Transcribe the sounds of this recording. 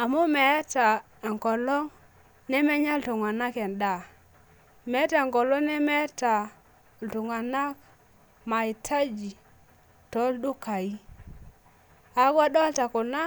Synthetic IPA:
a˨mu˦mɛ˨˦ta˨ | ŋ˨kɔ˨lɔ˦ŋ | nɛ˦mɛ˦ɲa˦ltu˨ŋa˨na˦kɛ˨nda˨ | mɛ˨˦ta˦˨ŋkɔ˨lɔ˦ŋnɛ˦mɛ˦ta˨ | ltu˨ŋa˨na˦k | ma˨i˨tʰa˦d͡ʒi˨ | tɔ˦ldu˦ka˨i˦ | a˨˦ɡa˦ɗɔ˦lta˨kʊ˨na˦

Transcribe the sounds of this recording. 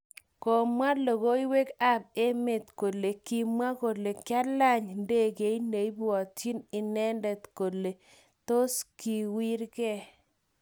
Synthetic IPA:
ko˨mwa˦lo˨ɣo˦i˦we˦ka˦be˦me˨t̪ko˨le˨ki˦mwa˦ko˨le˨kja˦la˦˨ɲnde˦˨ke˨˦i˦ne˨i˦bɔ˨ti˦nɪ˨nɛ˦ndɛ˨t̪ko˨le˨ | to˦ski˨wi˦ɾkɛ˦

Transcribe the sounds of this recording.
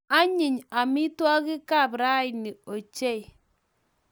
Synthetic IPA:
a˦ɲɪ˨ɲa˨mɪ˦twa˦kɪ˦ka˦˨bɾa˦ɪ˨nɪ˨o˨t͡ʃe˦˨j

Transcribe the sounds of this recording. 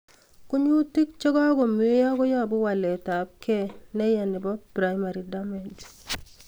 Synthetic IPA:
kʊ˦ɲu˦ti˦k̚t͡ʃɔ˦ɡɔ˦ɡɔ˨me˦jɔ˦ɡɔ˦jɔ˦˨bʊ˦wa˨lɛ˨ta˨p̚kʰɛ˦˨nɛ˦jɛ˨nɪ˨bɔ˦pɾa˦jma˨ɾi˨da˦me˨d͡ʒ

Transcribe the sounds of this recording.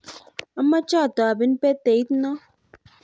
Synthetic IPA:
a˦mːa˦t͡ʃɔ˦˨tɔ˨a˨bi˨˦n̩˦pe˦te˨i˦tnɔ˦

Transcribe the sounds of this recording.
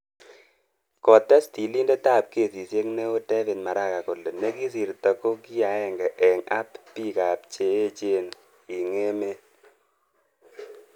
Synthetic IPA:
kɔ˨tɛ˦sti˨li˦nde˦ta˦˨p̚ke˨si˨sje˦ŋne˦o˦tɛ˦vi˨nma˨ɾa˦˨ka˨ko˨le˨ne˦ki˦si˨rtɔ˨ko˦ki˦ja˨˦ɛ˨ŋɡɛ˨ʔɛ˨ŋa˦ppi˦ka˨p̚t͡ʃe˨e˦t͡ʃe˦n | i˨ŋe˦me˦

